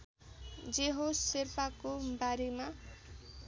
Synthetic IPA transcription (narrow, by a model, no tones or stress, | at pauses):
d͡zeɦosirpakobaɾema